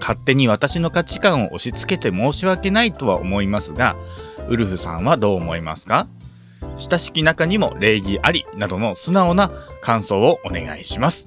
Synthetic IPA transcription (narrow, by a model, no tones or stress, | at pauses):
kʰat̪ːe̞ɲ̟iβat̪aɕino̞kat͡ɕi̥kãɰ̃o̞ʔoɕit͡sɨ̥ke̞t̪e̞mo̞ːɕiβake̞nait̪o̞βa̰ʔo̰mo̞imasɨɡa̰ɯ̟ɾɯ̟ɸɯ̟sã̰ɰ̃βad̪o̞ːmo̞ima̰sɨ̥ka | ɕi̥t̪aɕi̥kʲinakaɲ̟imo̞̰ɾe̞ːɡʲiʔaɾʲinad̪o̞no̞sɨnao̞nakãɰ̃so̞ːʔone̞̰ɡa̰iɕimasɨ̥